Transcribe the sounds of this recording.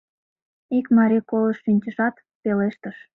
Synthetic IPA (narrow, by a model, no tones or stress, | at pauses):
ikmɑɾikoləʃːynʲt͡ɕəʃɑt̪ | peleʃt̪əʃ